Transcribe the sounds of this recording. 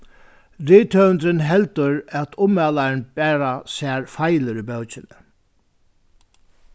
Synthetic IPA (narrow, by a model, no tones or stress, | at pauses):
ɾɪːt̪ʰœːnd̪ɾɪnɦɛlt̪ʊɾæt̪ʰʊmɛlaɪnbɛːɾasɛːɹfajlɪɾibœwt͡ʃɪnɪ